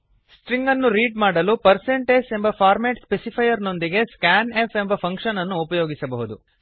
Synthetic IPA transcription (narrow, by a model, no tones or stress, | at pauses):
sʈɾiŋɡɐnːuɾiːɖmaːɽɐlupɐɾseɳʈeːd͡ʒe̞mbɐpʰaːɾmeːʈspesipʰɐjɐɾno̞nd̪iɡe̞skaːnefe̞mbɐpʰɐŋkʃɐnɐnːuːpɐjoːɡisɐbɐɦud̪u